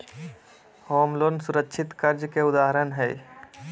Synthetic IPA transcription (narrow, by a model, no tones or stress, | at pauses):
hoːmloːnsʊɾəkːʃʰɪt̪kəɾd͡ʒkeʊd̪aːɦəɾənɦɛː